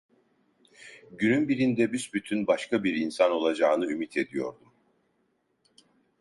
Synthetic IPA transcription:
ɟynynbiɾind̪ɛbysbyt̪ʰynbaʃkabiɾinsano̞lˠad͡ʒaːnɯymit̪ʰe̞d̪ijo̞ɾd̪u

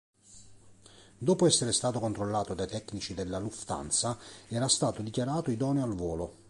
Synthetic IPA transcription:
d̪oːpoɛsːeɾest̪aːt̪okont̪ɾolːaːt̪od̪ajt̪ɛkːnit͡ʃid̪elːaluft̪a̰nt̪saɛːɾast̪aːt̪od̪ikjaɾaːt̪oid̪ɔːnialvɔːlo

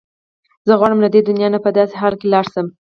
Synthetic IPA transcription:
z̥əɣwɑɽəmlad̪ed̪ʊnjɑnapəd̪ɑseɦɑlkelɑɽsəm

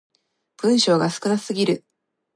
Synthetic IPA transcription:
b̥ɯ̟̃ɰ̃ɕo̞ːɡasɨ̥kɯ̟nḁsɨɡʲiɾɯ̟

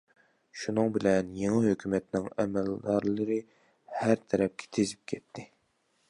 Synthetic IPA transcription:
ʃunɨŋbɪlɛnjeŋɨɦøkʲymɛt̪nɪŋɛmɛld̪ɑɾlˠɨɾɨ | hæɾt̪ʰɛɾɛp̚kʲʰɛ̥t̪ʰezɪp̚kʲʰɛt̪ʰːɪ

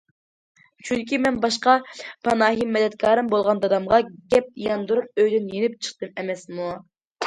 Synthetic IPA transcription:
t͡ʃʰyŋkʲimɛnbɑʃqɑpʰɑnɑːɦimːɛd̪ɛt̪̚kʰɑːɾɨmbolˠʁɑnd̪ɑd̪ɑmʁɑɡʲɛp̚ijɑnd̪uɾup̚øjd̪ɪnjenɪp̚t͡ʃʰə̥χt̪ɨnɛmɛsmu

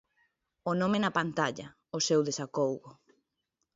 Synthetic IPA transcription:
onomenapant̪aʎɐ | osewðesakowɣʊ

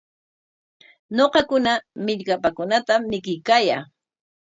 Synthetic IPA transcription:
ɲoqɑkʊnamɪʎkapakʊnat̪amːɪkɪjkaːjaː

